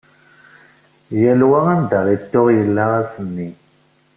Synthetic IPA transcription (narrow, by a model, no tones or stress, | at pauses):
jælwaʁand̪aʁit̪ːoʁjəlːaʁasənːi